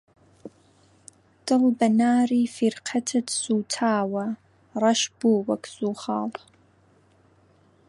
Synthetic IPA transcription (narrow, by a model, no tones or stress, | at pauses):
d̥ɨʁbɐnaːriːfirqʰɐtʰɨdsuːtʰaːwɐ | rɐʃbuwɐkʰz̥uːχaːl